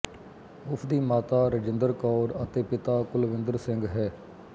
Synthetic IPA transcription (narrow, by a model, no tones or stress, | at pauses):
ʊpʰd̪iːmaːt̪aːɾəd͡ʒɪnd̪əɾkɔːɾət̪eːpɪt̪aːkʊlʋɪ̃nd̪əɾsɪŋɡɦɛː